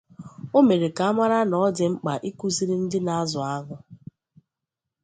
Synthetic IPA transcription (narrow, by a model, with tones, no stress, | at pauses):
o˦me˨ɾe˨ka˨a˦ma˦ɾa˦nɔ˦dɪ˨ŋ͡m̩˦k͡pa˨ʔi˦ku˦zi˦ɾɪ˦n̩˦dɪ˦na˦zʊ˨a˦ɦʊ˦